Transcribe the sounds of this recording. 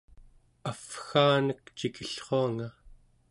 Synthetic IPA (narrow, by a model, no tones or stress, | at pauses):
afxaːnəkt͡ʃikʰiɬχoaŋa